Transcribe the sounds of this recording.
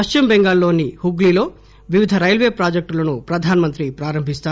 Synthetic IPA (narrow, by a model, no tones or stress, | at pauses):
ɐʂt͡ʃimbeŋɡaːlːo̞ːnihuɡlilo̞ː | ʋiʋid̪ʱɐɾɐjlʋe̞ːpɾaːd͡ʒɐk̚ʈlɐnupɾɐd̪ʱaːnɐmɐnt̪ɾipɾaːɾɐmbʱist̪aː